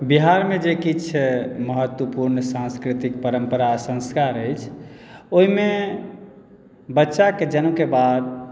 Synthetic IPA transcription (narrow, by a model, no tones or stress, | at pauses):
biɦaɾmed͡ʒekit͡ʃʰɛməɦət̪wəpuɾnəsãnskɾit̪ik̚pəɾəmpəɾasə̃ŋskaɾəjt͡ʃʰoɦime | bətːʃaked͡ʒənukebad̪̚